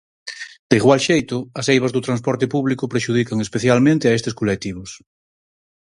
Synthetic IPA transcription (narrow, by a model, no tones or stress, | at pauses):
d̪̥eiɣwalʃejt̪ʊɐsejβazðʊt̪ɾanspɔɾt̪ɪpuβlikʊpɾeʃuð̞ikaŋespeθjalmẽnt̪ɪaest̪eskolek̚t̪iβ̞ʊs